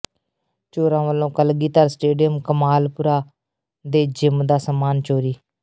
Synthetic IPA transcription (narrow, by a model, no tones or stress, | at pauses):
t͡ʃoːɾãːʋəlːõːkəlɡiːt̪əɾsʈeːɖijəmkəmaːlpʊɾaː | d̪eːd͡ʒɪmd̪aːsəmaːnt͡ʃoːɾiː